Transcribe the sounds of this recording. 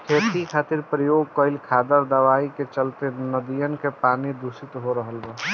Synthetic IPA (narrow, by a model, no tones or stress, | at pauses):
kʰeːt̪ikʰaːt̪ɪɾpɾəjoːɡ̚kəɪlkʰaːd̪əɾd̪əʋaːiket͡ʃəlt̪enəd̪ijənkepaːnid̪usit̪ɦoɾəɦəlbə